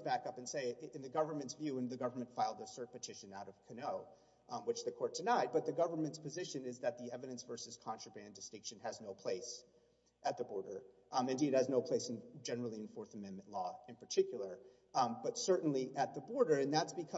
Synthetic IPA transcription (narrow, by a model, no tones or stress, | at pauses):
b̥ækʌpɨ̃n̩seɪɨ̃nðɨɡʌvə˞mɨ̃ntsvjʉɨ̃nðɨɡʌvə˞mɨ̃ntfaɪlˠdəsɜ˞t̚pɨtʰɪʃɨ̃naʊɾʌv̥kʰɨnoʊ | wɨt͡ʃðɨkʰɔɹtʰɨnaɪt̚b̥ʌt̪̚ðɨɡʌvə˞mɨ̃ntspʰɨzɪʃɨ̃nɪzðɨt̪̚ðiɛvɨɾɨ̃nsvɜ˞sɨz̥kʰɑ̃nt͡ʃɹ̥əbæ̃ndɨstɪ̃ŋkʃɨ̃nɨznoʊpʰl̥eɪs | ʔɨt̪̚ðɨbɔɹɾə˞ | ɨ̃ndid̚ɨznoʊpʰl̥eɪsn̩d͡ʒɛnə˞l̩ˠiɨ̃nfɔɹθəmɛ̃nmɨ̃nʔlɔɨ̃npʰə˞tʰɪkjl̩ˠə˞ | b̥ʌtsɜ˞ʔn̩liʔɨt̪̚ðəbɔɹɾə˞ɨ̃nðætsb̥ɨkʰʌ